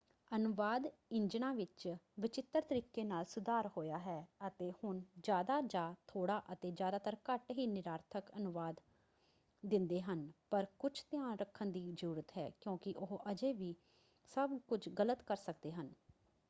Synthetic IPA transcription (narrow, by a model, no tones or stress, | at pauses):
ənʊʋaːd̪ɪɲd͡ʒnãːʋɪt͡ʃʋɪt͡ʃɪt̪ːəɾt̪əɾiːkeːnaːlsʊd̪aːɾɦoːjaːɦɛːət̪eːhʊnd͡ʒjaːd̪aːd͡ʒaːt̪ʰoːɽaːʔət̪eːd͡ʒjaːd̪aːt̪əɾkəʈɦiːnɪɾaːɾt̪ʰəkənʊʋaːd̪ | d̪ɪ̃nd̪eːɦənpəɾkʊt͡ʃʰt̪jãːnɾəkʰːənd̪iːzəɾuːɾət̪ɦɛ̰ːkjõːkɪʔʊɦʔəd͡ʒeːʋiː | səbkʊt͡ʃʰɡələt̪kəɾsək̚d̪eːɦən